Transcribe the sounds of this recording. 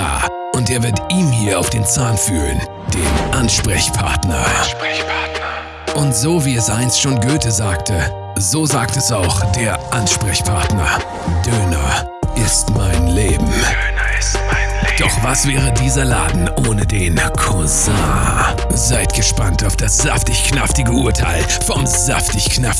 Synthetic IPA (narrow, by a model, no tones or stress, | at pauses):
a̰ː | ʔʊntʔeːɐvɪɐtʔiːmhiːɐaʊfd̥eːnt͡saːnfyːʁən | d̥eːmʔanʃpʁ̥ɛçpʰa̰ɐtnɐ̰ | t | ʔʊntz̥oːviːɛsʔaɪnstʃoːnɡøːtʰəzaːktʰə | zoːzaːk̚tɛsaʊxd̥eːɐʔanʃpʁ̥ɛçpʰaɐtnɐ | d̥øːnɐ | ʔɪstmaɪnleːbm̩ | d̥ɔχv̥asv̥ɛːʁədiːzɐla̰ːdn̩ʔoːnədeːnkʰɔ | zaː | zaɪtɡ̥əʃpantaʊfd̥asz̥a̰ftɪçknaftɪɡəuːɐtʰaɪl | fɔmz̥aftɪçknaf